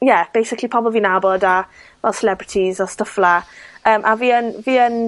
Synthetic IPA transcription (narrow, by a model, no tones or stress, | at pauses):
jɛb̥ejsɪkʰlipʰɔbl̩ˠviːnabɔdavɛlˠsɛlɛbɹɪtʰizastəflaəːmʔaviːənviːən